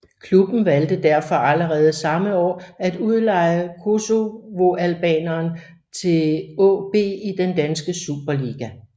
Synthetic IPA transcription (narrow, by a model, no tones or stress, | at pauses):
kʰlub̥n̩ʋæld̥əd̥æɐ̰fɒ̽ʔæləʁɛːð̞̩ˠsɑ̈məɒ̰ːæd̥uð̞ˠlɑ̈ɪəkʰo̝so̝ʋo̝ʔælb̥ɛ̰ːnɐːn | t͡sʰe̝lɔ̰ːb̥e̝̰ːid̥end̥ænsɡ̥əsub̥ɐliɡ̥æ